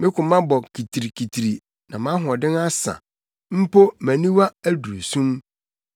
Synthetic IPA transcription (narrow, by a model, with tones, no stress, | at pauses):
mɪ̃˦kʊ̃˨mã˦bɔ˨kʰi˨tʰi˨ɾi˨kʰi˨tʰɾi˨ | nã̰˨mã˦ɦɔ̃˨dɪ̃˦na˦sã̰˨ | m̩˦po˦mæ̃˨nĩ˦wa˦æ˦du˨o˨sũ˦m